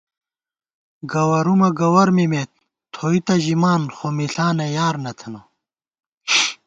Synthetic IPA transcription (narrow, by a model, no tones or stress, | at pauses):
ɡɐwɐɾumɐɡɐwɐɾmimet̪̚ | t̪ʰoːit̪ɐʑimaːnxomiɬaːnɐjaːɾnɐt̪ʰɐno